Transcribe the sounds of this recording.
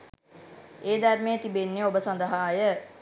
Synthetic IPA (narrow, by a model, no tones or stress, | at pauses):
eːd̪ærmejət̪ibenːeobəsand̪əɦaːjə